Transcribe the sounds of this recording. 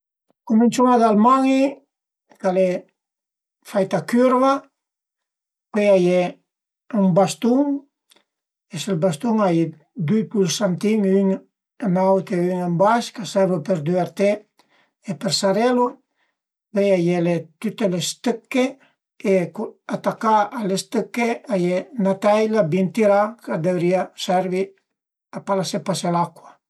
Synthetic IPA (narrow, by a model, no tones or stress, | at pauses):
kumint͡ʃunad̪almaŋi | kale | fajt̪akyɾva | kejaje | umbast̪uŋ | eselbast̪uŋaj | d̪ujpulsant̪iŋyŋ | nawkeyŋembaskasaβopeɾd̪yaɾt̪e | epeɾsaɾelu | bɛjajelet̪yt̪elest̪əkːe | ekuat̪akaalest̪əkːeajenat̪ajlabint̪iɾakad̪evɾiasɛɾβi | apalasepaselakwa